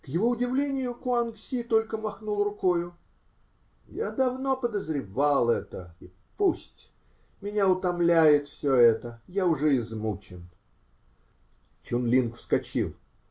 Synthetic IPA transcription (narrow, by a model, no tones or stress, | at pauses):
kjɪvo̞ʊdʲɪvlʲenʲɪjʊkʊanksʲit̪o̞lʲkəmɐxnulˠrʊkojʊ | jad̪ɐvno̞pəd̪əzɾʲɪvalˠɛt̪ə̰i | pusʲtʲ | mʲɪnʲaʊt̪ɐmlʲæjɪt̪fsʲoɛt̪əjaʊʐɛɪzmut͡ɕɪn | t͡ɕunlʲinkfskɐt͡ɕḭlˠ